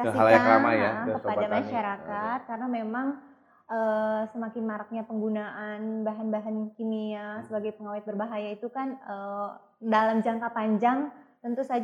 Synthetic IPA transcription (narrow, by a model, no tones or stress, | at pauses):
aialaaaka̰ma̰jakəpadamaʃaɾakat̪̚karənamemaŋ | ʔəsəmakɪnmaɾak̚ɲapəŋɡunaʔanbaɦanbaɦankimiasəbaɡajpəŋawɪt̪̚bərbaɦajait̪ukanə | dalamd͡ʒaŋkapaɲd͡ʒaŋt̪ənt̪usad͡ʒ